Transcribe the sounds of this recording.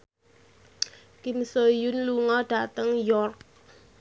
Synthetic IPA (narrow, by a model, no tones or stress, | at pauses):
kimsojʊnluŋɔɖ̥a̤t̪əŋjɔrk̚